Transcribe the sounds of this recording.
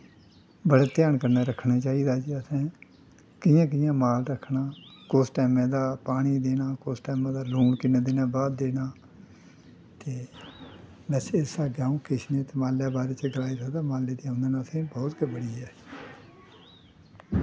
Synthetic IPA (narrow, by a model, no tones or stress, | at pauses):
bəɽaːt̪jaːnkəɾnaːɾəkʰːnaːt͡ʃaːiːd̪aːd͡ʒiəsɛ̃ː | kɪjãːk̬ɪjãːmaːlɾəkʰːnaːkoːsʈɛːmẽːd̪aːpaːɽ̃iːd̪eːnaːkoːsʈɛːmãːd̪aːluːɳkɪnãːd̪eːnãːbaːd̪d̪eːnaː | t̪eː | bɛːseɪsaːɡaːũːkɪʃnẽːt̪eːmaːljaːbaːɾeːt͡ʃəɡlaːiːsəkd̪aːmaːleːd̪iːãʊ̃nd̪eːnãːsẽːbɔːt̪kebəɽiːɛː